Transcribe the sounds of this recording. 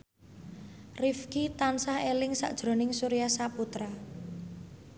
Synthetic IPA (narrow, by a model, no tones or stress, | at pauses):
rifkit̪ansahelɪŋsa̰ʔd̥ʒ̥ɾo̤nɪŋsuɾiasaput̪ɾa